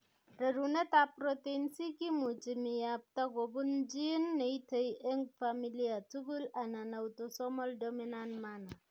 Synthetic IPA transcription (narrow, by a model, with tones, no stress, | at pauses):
ɾe˨ɾu˨ne˦ta˦pɾo˨te˦nsi˦ki˦mu˨t͡ʃi˨mi˨ja˨p̚ta˦ɡo˨bu˦nd͡ʒi˦nːe˨i˦tə˦je˦ŋfa˦mi˦li˦a˨tu˦ɡu˦la˨na˨na˨u˨to˨sɔ˦mɔ˦ldo˦mi˦na˦nma˦na˨